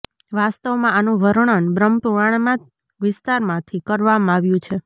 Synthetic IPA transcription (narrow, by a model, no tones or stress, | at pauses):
ʋast̪əʋmãanũʋəɾɳ̃ənbɾəmpuɾaɳmã | ʋɪst̪aɾmãt̪ʰikəɾʋamãaʋjũt͡ʃʰe